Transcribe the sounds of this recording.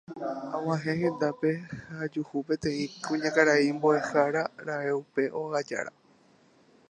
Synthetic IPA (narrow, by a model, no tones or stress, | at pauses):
ãw̃ãɦẽ̞hẽ̞nd̪ape̞had͡ʒuhupe̞t̪ẽ̞ĩkũɲãkaɾaimboe̞haɾaɾae̞upe̞ʔo̞ɣad͡ʒa̰ɾa̰